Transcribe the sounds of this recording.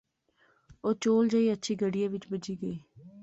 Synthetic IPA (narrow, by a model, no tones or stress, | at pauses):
oːt͡ʃoːld͡ʒaiːətːʃʰiːɡəɽijãːʋɪt͡ʃbəd͡ʒiːɡəiː